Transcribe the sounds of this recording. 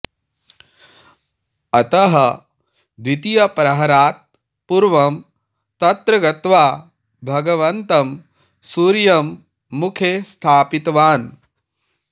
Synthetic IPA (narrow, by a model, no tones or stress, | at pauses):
ɐt̪ɐɦɐ | ʋ̪it̪ijɐpɾɐɦɐɾaːt̪̚ | puɾʋɐm | t̪ɐt̪ɾɐɡɐt̪ʋaː | bʱɐɡɐʋɐnt̪ɐm | suːɾjɐmː | ukʰeːst̪ʰaːpit̪ʋaːn